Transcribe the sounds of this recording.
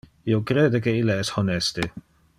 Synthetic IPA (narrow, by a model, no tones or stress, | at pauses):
iokɾeːdekeilːeɛshonɛst̪e